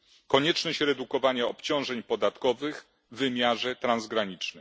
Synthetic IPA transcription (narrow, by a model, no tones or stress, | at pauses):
kɔɲɛt͡ʂnɔɕɾɛd̪ukɔvaɲaɔpt͡ɕɔ̃w̃ʐɛɲpɔd̪at̪kɔvɘɣ | vɘmʲjaʐɛt̪ɾanzɡɾaɲit͡ʂnɘ